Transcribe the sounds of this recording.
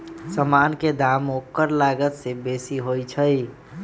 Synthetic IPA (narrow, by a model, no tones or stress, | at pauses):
səmanked̪amokːəɾlaɡət̪sebesiɦojt͡ʃʰəj